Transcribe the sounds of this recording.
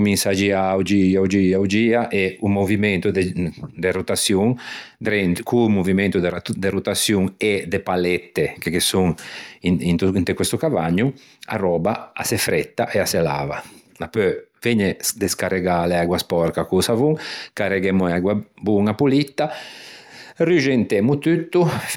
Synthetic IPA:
kuminsad͡ʒiawd͡ʒiawd͡ʒiawd͡ʒiːaʔeumovimɛnt̪ud̪d̪erut̪asjuŋd̪ɾɛnt̪kumuvimɛnt̪ud̪d̪eɾut̪asjuŋed̪epalɛt̪ːekekesuŋiint̪unt̪ekwest̪ukavaɲːu | a̰rɔːbaa̰sefɾɛt̪ːaʔeasela̰ːva̰ | apøveɲed̪eskareɡaleaɡwaspɔɾkakusavuŋkareɡemuaɡwabuŋapulit̪ːa | ryʒent̪emut̪yt̪ːu

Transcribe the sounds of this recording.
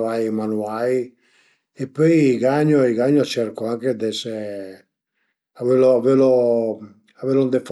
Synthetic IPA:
vajmanuaj | epːøjːɡaɲoiɣaɲot͡ʃɛɾkoaŋked̪ɛsɛ | aveloavelo | avelond̪ef

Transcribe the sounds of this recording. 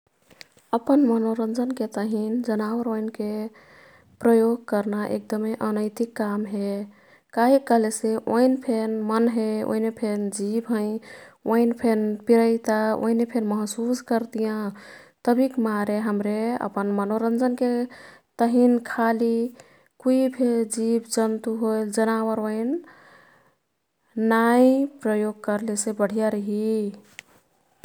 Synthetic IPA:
əpənmənoɾənd͡ʒənket̪əɦind͡ʒənaʋəɾoinke | pɾəjoɡ̚kəɾnaʔḛk̚d̪əmeʔənəɪt̪ikːamɦe | kaɦikːəɦleseʔoinpʰenmənɦeo̰inepʰend͡ʒibɦə̃ɪ̃oinpʰenpiɾəɪt̪ao̰inepʰenməɦsuskəɾt̪ijãt̪əbʱikmaɾeɦəmɾeə̰pənmənoɾənd͡ʒənket̪əɦinkʰali | kuipʰeld͡ʒibd͡ʒənt̪uɦold͡ʒənawəɾoin | aĩpɾəjoɡ̚kəɾlesebəɽ̤ijaɾəɦi

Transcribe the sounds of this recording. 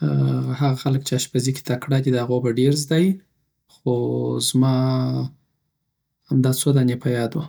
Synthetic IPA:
aɦaɣaxaləkt͡ʃeaʃpazike̥t̪akɽad̪id̪əhaɣobaɖeɾzd̪ɑji | xozmɑ | hamd̪ɑt͡sod̪anepajɑd̪wa

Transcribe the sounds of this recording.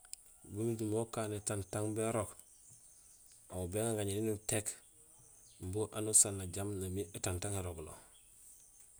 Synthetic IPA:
bumiɟimokaːnetantaŋbeɾok | awubeŋaɡaɲininutek | mbuʔanusanːaɟamnamiʔetantaŋeɾoɡlo̰

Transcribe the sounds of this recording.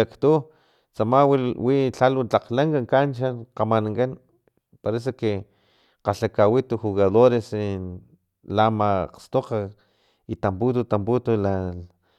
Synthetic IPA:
akt̪u | t͡samawiwit͡ɬalwat͡ɬaqlaŋkaŋkant͡ʃanqamanaŋkan | paɾes̬ake | qaɬakawit̪uxuɣaðoɾesi | lamaqst̪oqa | it̪amput̪̬ut̪amput̪ula

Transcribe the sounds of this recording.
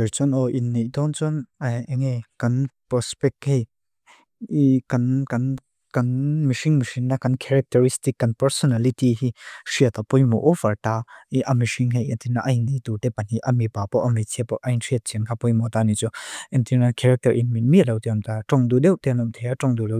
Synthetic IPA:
ɛɹt͡sɔnɔʔinːejt̪ɔnt͡sɔnɐɛŋekɐnpɾɔspɛk̚hej | ikɐnkɐn | kɐnmiʂiŋmiʂiŋnakɐnkʰɛɾɛk̚tɛɾistikːɐnpɛɾsɔnalitiɦiʂiət̪apɔjmɔ̰ʔɔfɐrtahiʔɐmiʂiŋɦɛjʔɛnt̪inaʔɐjnit̪ut̪ɛpɐniʔɐmipapɔʔɐmit͡sʰipɔʔajntʰiət̪̚t͡sinkʰapɔjmɔt̪anit͡suʔɛnt̪inakʰɛɾɛk̚tɐɾʔinminmiʔlɐwt̪iɐmt̪aʈ͡ʂɔŋdudɛwʔt̪ɛnɔmt̪ʰeaʈ͡ʂɔŋdulɔ

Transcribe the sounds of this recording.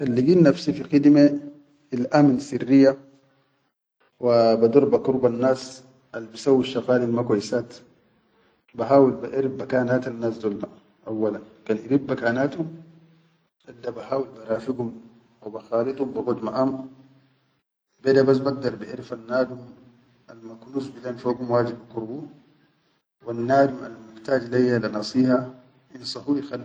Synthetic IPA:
xalːiɡiːnːafsifixid̪me | ilʔamnsirːijːa | wabad̪uɾˤbakuɾubanːaːs | ʔalːbisawːiʃːɑɣaːlilmakwajsaːt̪ | baɦaːwilbaʔiɾibːakaːnaːt̪anːaːsd̪ulːa | ʔawːalankaːnʔiɾibːakaːnaːt̪hum | ʔad̪ːabahaːwilbaɾaːfiɡum | wabaxaːlit̪ˤumbiɡod̪maʔam | bed̪abas̬baɡ̚d̪ɑɾˤbiʔiɾfanːaːd̪um | almaknuːsbidanfoːɡumwaːd͡ʒibʔakuɾbu | wanːaːd̪uma̰lmuħt̪aːd͡ʒlajːalanɑsˤiːha | ʔinsˤɑhuːxal

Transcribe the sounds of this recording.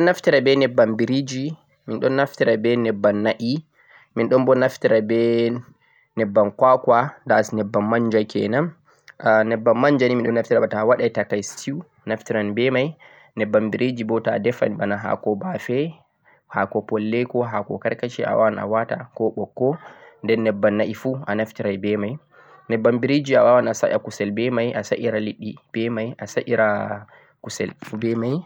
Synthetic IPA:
ɗɔnːaftiɾabɛnɛbːambiɾid͡ʒi | minɗɔnːaftiɾabɛnɛbːanːaʔi | minɗɔnbɔnaftiɾabɛ | nɛbːankwakwadasnɛbːamːaɲd͡ʒajkɛ̰nam | nɛbːamːaɲd͡ʒaniminɗɔnːaftiɾabatawaɗajtakajstʰiw | naftiɾanbɛmaj | nɛbːambiɾed͡ʒibɔtadɛfa̰nibanaɦa̰kɔbafɛ | hakɔpɔlːɛkɔɦakɔ̰kaɾkat͡ʃia̰wawana̰wata̰kɔɓɔkːɔndɛnːɛbːanːaʔifuanaftiɾajbɛmaj | nɛbːambiɾed͡ʒiawawanasa̰ʔa̰kusɛlbɛmajʔasa̰ʔiɾaliɗːib̥ɛmajʔasaʔiɾa | kusɛ̰lfubɛmaj

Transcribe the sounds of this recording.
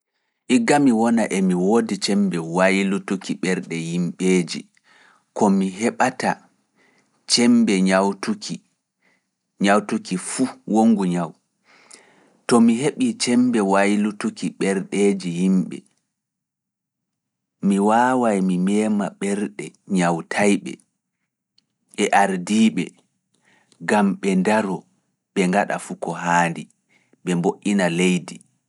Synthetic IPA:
ʔiɡamiwɔnaʔɛmiwoːdit͡ʃɛmbɛwajlutukiɓɛɾɗɛhimɓeːd͡ʒḭ | kɔmiɦɛɓata | t͡ʃɛmbɛɲawtuki | ɲawtukifuwoŋɡuɲaw | tɔmiɦeɓit͡ʃɛmbɛwajlutukiɓɛɾɗeːd͡ʒihimɓɛ̰ | miwaːwajmimɛːmaɓɛɾɗɛɲawtʰajɓɛ̰ | ɓɛʔaɾdiːɓɛ | ɡamɓɛndaɾɔ | ɓɛŋɡaɗa̰fukɔɦaːndi | ɓɛmboʔinalejdi

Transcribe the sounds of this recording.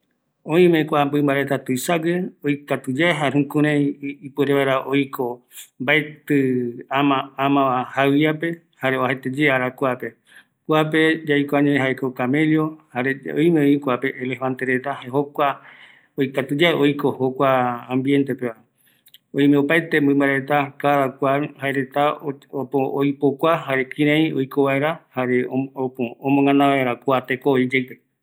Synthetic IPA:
õĩmẽkʷambɨmbaɾet̪at̪ujsaɡeojkat̪ud͡ʒaeɦaɦũkũɾẽjipueɾeβaeɾaʔojko | mbaet̪ɨamaamãahajiape̞ | haɾeohet̪ed͡ʒeaɾakʷape̞ | kʷap̬e̞d͡ʒajkoaɲeẽɦaekokame̞ljo̞haɾeo̰jmẽoĩkʷapeʔːlefãnt̪eɾe̞t̪ahaɦokʷa | ojkat̪ud͡ʒaeʔojkohokʷaãmbjent̪e̞peβae | oj̃mẽopajt̪e̞mbɨ̃mbaɾaet̪akaɾakʷahaeɾet̪aoojpokʷaɦaɾe̞kĩɾ̃ãĩojkoβae̞ɾahaɾe̞ooõmõŋãnãβaeɾakʷat̪ekooid͡ʒejpe

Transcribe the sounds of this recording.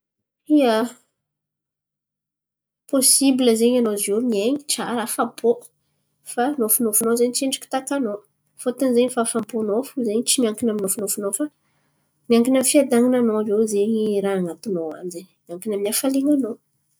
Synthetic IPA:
iə | posibiləzeɲanozonieɲiʈ͡ʂaɾafapo | fanofunofunozeɲit͡ʃeɳɖ͡ʐi̥ki̥t̪akano | fot̪anzeɲifafamponofuzeɲit͡ʃimiaŋkinaminofunofunofa | miaŋkinamifiad̪aŋinanovewzeɲiɾaaŋat̪unowa̰nzenmiaŋkinaminafaleŋano

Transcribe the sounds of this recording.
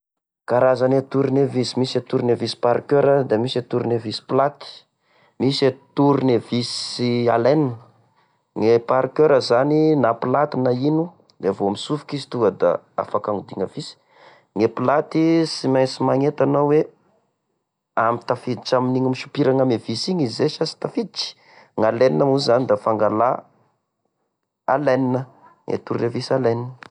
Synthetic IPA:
kaɾazanet̪uɾinevisimiset̪uɾinevisi̥paɾkøɾəd̪amiset̪uɾnevisi̥plat̪i̥ | miset̪uɾinevisia̰lenin | ŋepaɾkøɾəzaninapilat̪inainu | d̪eavoamisufu̥kizi̥t̪uəd̪a̰ | a̰fakaŋud̪iŋəvisi̥ | ŋepilat̪isimajsimaŋet̪anawe | amit̪afid̪it͡ʃaminiŋimiʃu̥piɾaŋamevisiŋizzeʃasi̥t̪afid̪it͡ʃi̥ | ŋaleninamuzanid̪afaŋɡala | a̰leninə | ŋʔḛt̪uɾrevisaleninə

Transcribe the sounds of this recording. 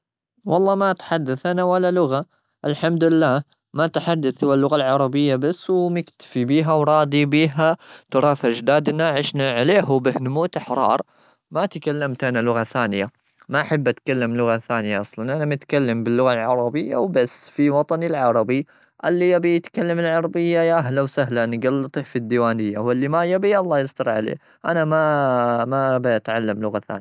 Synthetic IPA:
wɑlˤːɑːmat̪ħad̪ːaθʔanawalːalʊɣa | ʔɪlħamd̪ɪlːaː | mat̪ħad̪ːaθʊwalːʊɣalʕɑɾˤɑbɪjːabasːwmɪkt̪ḁfibiːɦawɾˤɑːd̪ibiːɦat̪ʊɾˤɑːfʔad͡ʒd̪aːd̪naʕɪʃnaʕaleːɦubɪhnʊmuːt̪aħɾˤɑ̰ːɾˤ | mat̪kalːamt̪ʔanalʊɣaθaːnɪja | maʔaħabːʔat̪kalːamlʊɣaθaːnɪjaʔɑsˤlɑnʔanamʊt̪kalːambɪlːʊɣalʕɑɾˤɑbɪjːa̰wbasːfiwɑt̪ˤɑnilʕɑɾˤɑbi | ʔalːijabit̪kalːamɪlʕɑɾˤɑbɪjːajaʔaɦlawsahlanɡalːɨt̪ˤifid̪ːiwaːnɪjːawɪlːimajabiʔɑlˤːɑːjɪsd̪ɑɾˤʕa̰lḛː | ʔanamamabʔat̪ʕalːamlʊɣaθa̰ːnja

